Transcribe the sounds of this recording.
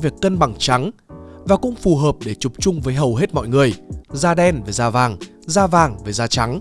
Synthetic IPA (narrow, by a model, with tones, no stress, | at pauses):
vi˨˩əkːə˧nɓa˨˩ŋt͡ɕa˨˦ŋvaː˨˩kʊ̰˧˥ŋ͡mfu˨˩ɦəː˨˩p̚ɗe˧˩t͡ɕʊ˨˩p̚t͡ɕʊ˧ŋ͡mvəː˨˦jɦə˨˩wɦe˦˥t̚mɔ̰˧˨jŋɨ˨˩əjzaː˧ɗɛ˧nve˨˩zaː˧vaː˨˩ŋ | zaː˧vaː˨˩ŋve˨˩zaː˧t͡ɕa˨˦ŋ